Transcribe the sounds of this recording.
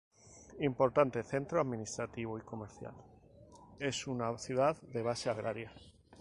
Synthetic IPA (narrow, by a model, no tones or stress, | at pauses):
impo̞ɾt̪ant̪e̞θe̞nt̪ɾoaðmĩnist̪ɾat̪iβ̞oiko̞meɾθja̰l | e̞sunaθjuðaððe̞β̞ase̞aɣ̞ɾaɾja